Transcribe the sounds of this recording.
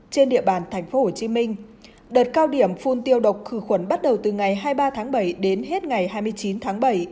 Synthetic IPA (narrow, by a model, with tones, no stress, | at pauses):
t͡ɕe˧nɗḭ˧˨əɓaː˧˩nt̪ʰɛ˨˩jŋ̟fo˨˦ho˧˩t͡ɕi˨˦mï˧ŋ̟ | ɗəː˨˩t̚kaː˧wɗi˧˩əmfu˧nt̪i˧əwɗə˨˩wk͡p̚xɨ˧˩xwə˧˩nɓa˦˥t̚ɗə˨˩wt̪ɨ˨˩ŋa˨˩jɦaː˧jɓaː˧t̪ʰaː˨˦ŋɓə˧˩jɗe˨˦nɦe˦˥t̚ŋa˨˩jhaː˧jmɨ˧əjt͡ɕi˨˦nt̪ʰaː˨˦ŋɓə˧˩j